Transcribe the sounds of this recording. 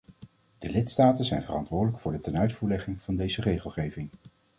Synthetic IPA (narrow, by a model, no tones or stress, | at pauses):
d̥əlɪtstaːtənzɛjnvərɑntʋʊːɹdələkfʊːɹdətɛnœɥtfuːɹlɛχɪŋv̥ɑndejzərejχəlˠχejvɪŋ